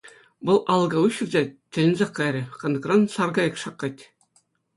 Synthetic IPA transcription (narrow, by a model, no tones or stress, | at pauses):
ʋɤ̆lˠʔɑlˠɡɑuɕɘ̆rʲzʲet̪ʲɘ̆lʲɘ̆nʲzʲeqːɑɾʲɘ̆qɑ̆nɤ̆ɡrɑnsɑrɡɑjɤ̆kʂɑqːɑtʲ